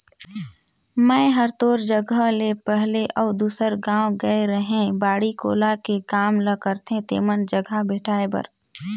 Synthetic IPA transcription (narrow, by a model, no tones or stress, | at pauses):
mɛ̃ːɦəɾt̪oːɾd͡ʒəɡʱəlepɛɦleʔɔʊd̪uːsəɾɡãːwɡəeɾəɦẽbaːɽiko̰ːlakekaːmləkəɾt̪ẽt̪ḛːmənd͡ʒəɡʱabeːʈʰaːebə̰ɾ